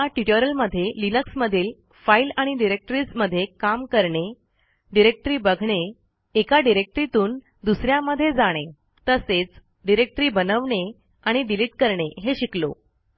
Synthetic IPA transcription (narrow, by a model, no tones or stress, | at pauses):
aʈiʈoɾəlməd̪ʱːjelinəksməd̪ʱiːl | failaɽ̃iɖiɾek̚ʈɾiːd͡zməd̪ʱːjekamkəɾɳe | ɖiɾek̚ʈɾiːbəɡʱɳeː | kaɖiɾek̚ʈɾit̪uːn | d̪usɾjaməd̪ʱːjed͡zaɽ̃e | t̪əset͡s | ɖiɾek̚ʈɾiːbənəʋɳe | aɽ̃iɖiliʈ̚kəɾɳeɦeɕiklo̰